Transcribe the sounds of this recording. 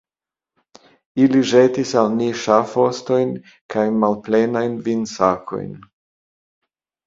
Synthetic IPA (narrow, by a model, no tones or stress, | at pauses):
iliʒetisalniʃafo̞sto̞jn | kʰajmalplenajnvinsakʰo̞̰jn